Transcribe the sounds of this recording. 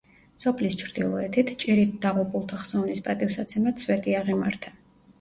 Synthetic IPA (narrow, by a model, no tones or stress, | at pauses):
sɔpʰlist͡ʃʰɾd̪̥ilˠɔɛt̪ʰit̪ʰt͡ʃʼiɾit̪̚d̪̥aʁupʼulˠt̪ʰaχz̥ɔvnispʼat̪ʼifsat̪sʰɛmat̪swɛt̪ʼiaʁimaɾt̪ʰa